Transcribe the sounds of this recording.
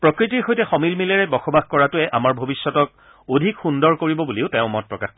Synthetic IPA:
pɹɔkɹitiɹxojtɛxɔmilmilɛɹɛbɔxɔbaxkɔɹatʊɛʔamaɹbʱobisːɔtɔk̚ | odʱikxundɔɹkoɹibɔbuliʊteʊ̃mɔt̚pɹɔkax

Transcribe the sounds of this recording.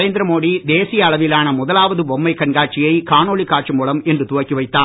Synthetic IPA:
eːnd̪ɪɾɐmoːɽid̪eːsɪjɐːɭɐʋɪlaːnɐmʊðɐlaːʋɐðɯbɔmːɐɪkːɐnɡaːʈ̚t͡ʃɪjɐɪkaːnoːɭikːaːʈ̚t͡ʃɯmuːɭɐmɛndrɯt̪ʊʋɐkːiʋɐɪt̪ːaː

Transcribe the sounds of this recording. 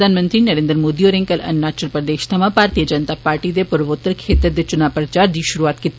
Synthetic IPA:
d̪aːnmə̃nt̪ɾiːnəɾẽːnd̪ɾmoːd̪ioːɾẽŋkəlɐ̰nːaːt͡ʃəlpɾəd̪eːʃt̪ʰɐmãpaːɾt̪iːəd͡ʒənt̪aːpaːɾʈid̪epʊɾʋot̪ːəɾkʰeːt̪əɾd̪eːt͡ʃʊnaːpɾət͡ʃaːɾd̪iːʃʊɾuaːt̪kit̪

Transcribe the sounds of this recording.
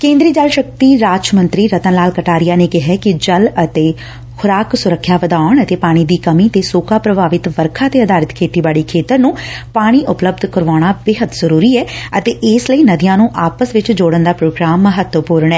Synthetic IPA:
kẽːnd̪ɾiːd͡ʒalʃək̚t̪iːɾaːd͡ʒmə̃nt̪ɾiːɾət̪ənlaːlkəʈaːɾɪjaːneːkɪɦɛːkɪd͡ʒələt̪eː | kʰʊɾaːksʊɾəkʰːjaːʋəd̪aːɳət̪eːpaːɽ̃iːd̪iːkəmiːt̪eːsoːkaːpɾəbʱaːʋɪt̪ʋəɾkʰaːt̪eːəd̪aːɾɪt̪kʰeːʈiːbaːɽiːkʰeːt̪əɾnũːpaːɽ̃iːʔʊpləbd̪ʱkəɾʋaːɽ̃aːbeːɦəd̪zəɾuːɾiːɛːət̪eːʔɪsləiːnəd̪ɪjãːnũːʔaːpəsʋɪt͡ʃd͡ʒoːɽənd̪aːpɾoːɡɾaːmːəɦət̪wəpʊːɾəɳɛː

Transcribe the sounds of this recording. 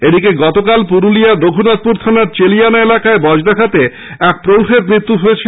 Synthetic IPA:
ed̪ikeɡɔt̪okalpuɾulijad̪oɡʰʱunat̪̚puɾt̪ʰanaɾt͡ɕelijanaelakaebɔd͡ʑd̪akʰat̪e | ɛk̚pɾowʈʰeɾmɾit̪ːuɦojet͡ɕʰi

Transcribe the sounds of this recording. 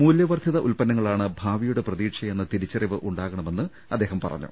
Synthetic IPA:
muːljɐʋɐrd̪ʰʱiðɐʔulpɐnːɐŋːɐɭaːɳɨbʱaːʋijuɽe̞prɐðiːʈʂɐjenːɐt̪iɾit͡ɕːɐriʋɨʔuɳɖaːɣɐɳɐme̞nːɨ | ɐd̪ːe̞ːɦɐmpɐrɐ̰ɲːṵ

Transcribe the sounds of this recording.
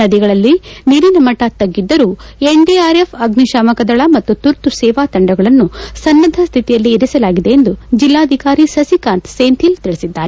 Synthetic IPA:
ɐd̪iɡɐɭɐlːiniɾinɐmɐʈɐt̪ɐɡːid̪ːɐɾuːeɳɖiaːɾepʰɐɡniʃaːmɐkɐd̪ɐɭɐmɐt̪ːut̪uɾt̪usɛːʋaːt̪ɐɳɖɐɡɐɭɐnːusɐnːɐd̪ʱɐst̪ʰit̪ijɐlːiːɾisɐlaːɡid̪e̞end̪ud͡ʒilːaːɐd̪ʱikaːɾisɐsikaːnt̪seːnt̪ʰilt̪iɭisid̪ːaːɾe

